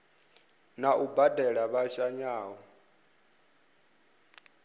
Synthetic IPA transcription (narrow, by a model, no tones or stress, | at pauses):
naʔubadʱɛɺaβaʃaɲaːɦɔ